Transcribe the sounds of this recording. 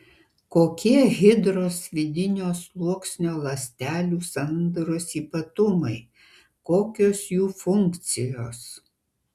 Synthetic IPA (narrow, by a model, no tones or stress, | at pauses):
koːkʲiɛɣʲɪd̪ɾoːsʋʲɪd̪ʲɪnʲoːslˠuɔksʲnʲoːlˠɐsʲt̪ʲæːlʲuːsɐnd̪ɾoːsiːpɐt̪ʊmɐɪ | koːkʲoːsjuːfʊŋkt̪sʲɪjoːs